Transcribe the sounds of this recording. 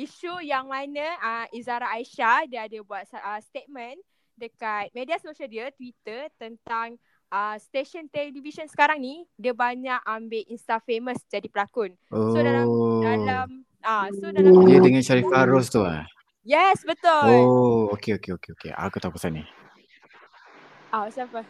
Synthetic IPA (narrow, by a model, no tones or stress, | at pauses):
iʃujaŋmãnə̃əizaɾaːiʃadiəadəbuat̪̚əst̪et̪̚mə̃n | dəkat̪̚mẽdiasoʃaldiət̪wit̪ət̪ənt̪aŋ | əst̪eʃɔnt̪ɛldivisɔnsə̥kaɾaŋnidiəbaɲakambeʔinst̪afeməsd͡ʒadipəlakʊn | ʔosoddalam | asodakədəŋãnʃaɾifaaɾʊst̪ua̰ | jɛsbət̪ʊlookeokeokeokḛa̰kut̪aupasanːi | ʔasapə